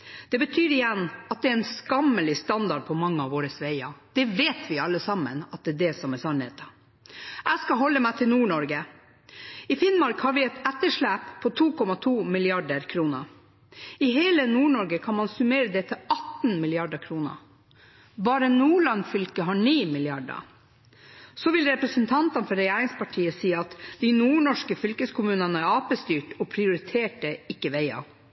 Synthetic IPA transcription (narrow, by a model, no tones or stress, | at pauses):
d̪̥ɛbət̪ʰyːɾɪjɛnːɑt̪̚d̪ɛæɾɛnskɑmːəlɪst̪ɑnd̪ɑɖ̚pʰɔmɑŋːəɑʋoːɾəsʋeɪɑ̰d̪̥ɛʋeːt̪ʰʋɪɑlːəsɑmə̰nɑt̪̚d̪ɛd̪ɛsɔmɛsɑnhḛːt̪ɑ | ʔæɪskɑɦɔlːəmæɪt̪ʰɪlnuːɳɔɾɡə | ɪfɪnmɑɾkhɑɾʋɪɛt̪ɛt̪ːəʂɭæːppʰːɔt̪ʰuːkʰɔmɑt̪ʰuːmɪlɪɑɖəɾkʰɾuːnə | ɪɦeːlənuːɳɔɾɡəkʰɑnmɑnsʉmeːɾəd̪ɛt̪ʰɪɑt̪n̩mɪlɪɑɖəkʰɾuːnə̰ | bɑːɾənuːɭɑnfʏlkəɦɑːɳiːmɪlɪɑɖɑ̰ | sɔʋɪlɾɛpɾəsənt̪ʰɑnt̪ɑnfɔɾɛjæːɾɪŋspʰɑʈʰiːəsiːɑt̪d̪̥inuːɳɔʂkəfʏlkəskʊmʉːnənəæɾɑːpəst̪yːʈɔːpʰɾɪʊɾɪt̪ʰeːʈəɪkːəʋeɪɑ̰ʋ